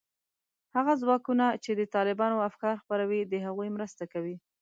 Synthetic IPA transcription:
haɣazwɑkunat͡ʃed̪ət̪ɑlɪbɑnoafkɑɾxpaɾawid̪əɦaɣujmɾəst̪akawi

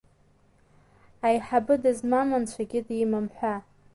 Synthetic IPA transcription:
ajħabɨdɨzmamant͡ɕʷʰaɡʲɪdimamħʷa

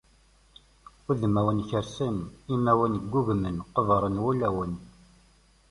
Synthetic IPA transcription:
uðmæwənçəɾsənimæwənɡʷːuɣmənqəvɾˤənwulæwən

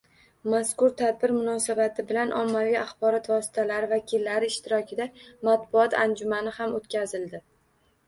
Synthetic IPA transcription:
maskʊɾt̪ʰad̪̚bɪɾmʊnɒsabat̪ʰɪbɪlanʔɒmːaviaχbɒɾɒt̪vɒsɪ̥t̪ʰalaɾɪvakʲʰɪlːaɾɪːʃt̪ɪɾɒkʲɪd̪amat̪bʊɒt̪ʰand͡ʒʊmanɪhamot̪kʲazɪld̪ɪ

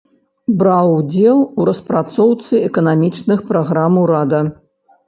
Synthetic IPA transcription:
bɾawd͡zʲɛlˠuɾɐspɾat̪sɔwt̪sɨɛkɐnamʲit͡ʂnɨxpɾaɣɾamɐwɾad̪ɐ

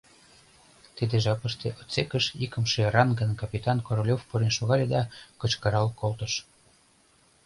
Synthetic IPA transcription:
t̪id̪eʒɑpəʃt̪eʔot͡sekəʃikə̆mʃerɑnɡənkɑpʲit̪ɑnkoɾolʲofpuɾenʃoɣɑlʲed̪ɑkə̆t͡ɕkəɾɑlkolt̪əʃ

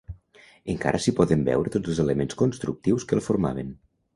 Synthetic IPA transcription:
əŋka̰ɾʔəsipɔðəmbɛ̰wɾət̪od͡zəlˠzeləmenskonst̪ɾuk̚t̪iwskəlˠfoɾma̰β̞ən

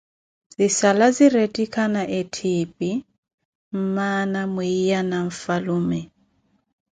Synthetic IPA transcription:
zisalaziɾetʼikʰanaʔetʰipʼi | m̩manamuijanaɱ̩faluːmɛ

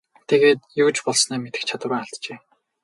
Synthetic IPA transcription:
t̪ʰeɣeːt̪̚juːt͡ɕpɔɮsnæːmet̪ɘ̆xt͡ɕʰat̪w̆raːaɬt̪t͡ɕeː

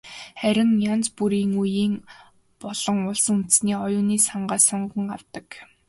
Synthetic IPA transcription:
χæɾʲɪ̆ŋjant͡spuɾiːŋujiːŋ | pɔɮ̥ɞ̆ŋʊɮsə̆ŋun̥t̪sniːɔjʊːniːsaɴɢaːsɔɴɢə̆ŋaw̥t̪ə̆k

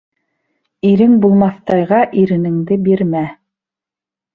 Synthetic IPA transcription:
iɾɘŋbulˠmɑθt̪ɑjʁɑʔiɾɘ̆nɘ̆ŋd̪ɘbiɾmæ

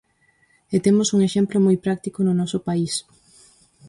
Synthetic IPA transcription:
et̪emʊsuŋeʃemplomɔjpɾak̚t̪ikonʊnɔsʊpais

